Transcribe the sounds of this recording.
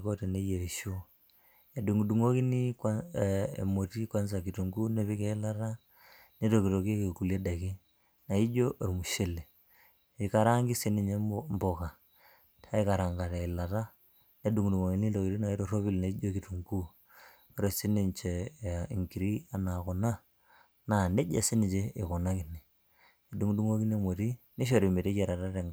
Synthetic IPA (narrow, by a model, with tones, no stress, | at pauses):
ko˦te˨ne˦je˨ɾi˨ʃo˦ | e˨du˨ŋ˨du˨ŋo˦ki˦ni˦ka˦ḛ˨mo˨ti˦kwa˦nsa˨ki˨tu˨ŋɡu˦ne˦βi˦ke˦ɪ˦la˦ɾa˦ | ne˦to˨ki˨to˨ke˦ke˨ku˨le˦da˨ki˦ | na˨i˦d͡ʒo˦ʔe˨ɾmu˨ʃe˦le˨ | i˨ka˨ɾa˦ŋɡi˦se˦ne˨ɲe˦mbo˨ka˨ | tʰa˦i˦ka˨ɾa˨ŋɡa˨ɾe˨i˨la˨ta˦ | ne˦du˨ŋ˨du˨ŋo˨ki˨˦ni˦o˨ki˨ɾi˦na˨i˦ɾo˦ro˦βi˦˨lna˨i˦d͡ʒo˦ki˨tu˨ŋɡu˦ | o˦ɾe˨se˦ni˨nt͡ʃe˨ḭ˨ŋki˨ɾi˦a˨na˨ko˨na˦ | na˨ne˦d͡ʒḛ˨se˦ni˨t͡ʃe˦ɪ˨kɔ˨na˦ki˨ne˨ | e˨du˨˦ŋ˦du˦ŋo˦ki˦ne˦mo˨ɾi˦ | ne˦ʃ̬o˦˨ɾi˨me˨ɾe˦ke˨ɾa˨ɾa˦ɾe˨ŋ